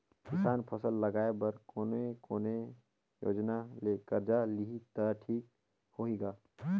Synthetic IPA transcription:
kɪsaːnpʰəsəlːəɡaːebəɾkoːnekoːne | jo̰ːd͡ʒnalekəɾd͡ʒaliɦit̪əʈʰiːk̚ | hoiɡaː

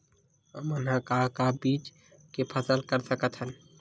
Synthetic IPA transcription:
əmənɦãkaɦkabiːt͡ʃ | kepʰəsəlkəɾsəkət̪ɦən

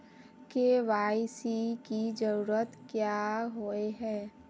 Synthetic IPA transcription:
keʋaːɪsikid͡ʒəɾuːɾət̪kjaːɦoːeɦɛ̃ː

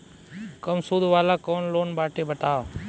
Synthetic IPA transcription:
kəmsuːd̪ʱʋaːlaːkoːnloːnbaːʈeːbəʈ̪aːʋ

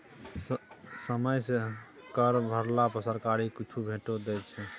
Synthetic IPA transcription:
səməjse | kəɾbʱəɾlapəsəɾkaɾikit͡ʃʰubʱeʈod̪ɛt͡ʃʰɛ

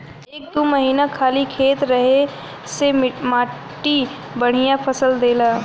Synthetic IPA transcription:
eːk̚d̪oːməɦiːnakʰaːlikʰeːt̪ɾəɦe | semmaː | ʈi | bəɽ̤ijãpʰəsəld̪eːlaː

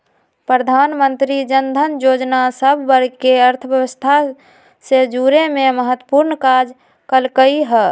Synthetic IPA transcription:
pɾəd̪ʱanmənt̪ɾid͡ʒənd̪ʱənjod͡ʒnasəbʱːəɾkeəɾt̪ʰəʋjəwəst̪ʰa | sed͡ʒuɾememəɦət̪ːwə̥puɾnkad͡ʒ | kəlkəiɦɛː

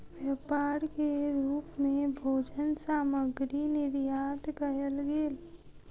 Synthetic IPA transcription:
ʋjəpaːɾkeɾuːpmẽbʱoːd͡ʒənsaːməɡɾinɪɾjaːt̪kəjəlɡeːl

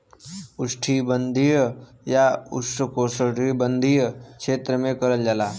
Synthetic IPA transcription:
ʊsʈʰibənd̪ʱij | jaʊ̰sʈəkoːsəʈibə̃nd̪ʱikʃeːt̪ɾəmẽkəɾəld͡ʒalaː

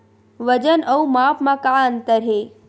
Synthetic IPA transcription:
ʋəd͡ʒənəumaːpmãkaənt̪əɾɦe

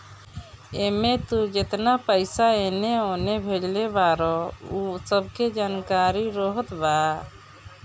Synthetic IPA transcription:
emet̪ud͡ʒet̪napəjsaeneɔnebʱed͡ʒlebaɾɔusəb̚ked͡ʒankaɾiɾɔɦət̪ba

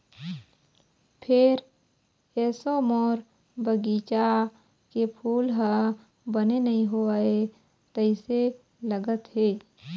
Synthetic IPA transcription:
pʰɪɾ | ɛːsomoːɾ | bəɡiːt͡ʃa | kepʰuːlɦə | bənenəɦĩɦoae | t̪əɪse | ləɡət̪ɦeː

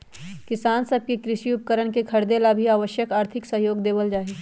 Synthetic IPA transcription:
kɪsaːnsɐb̚kekɾɪʃiʊpəkəɾəɽ̃kekʰɐɾd̪eːlabʱiaːʋəʃjəkaːɾt̪ʰɪksɐɦjoːɡd̪eːʋəld͡ʒaːɦeː

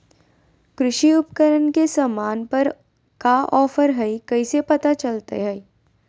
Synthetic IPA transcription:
kɾʊʃiʊpkəɾənkesamaːnpɐɾ | kaʔɔːfəɾɦɛikɐisepɐt̪at͡ʃɐlt̪ḛɦɛi

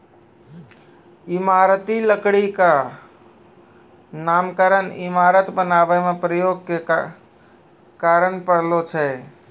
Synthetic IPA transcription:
imaɾət̪iləkɽika | namkəɾənimaɾət̪bənabəmepɾəjoɡke | kaɾəɳpəɽ̤lot͡ʃʰɛ

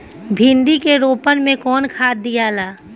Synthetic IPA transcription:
bʱĩnd̪ikeɾoːpənmẽkɔːnkʰaːd̪ːijaːlaː

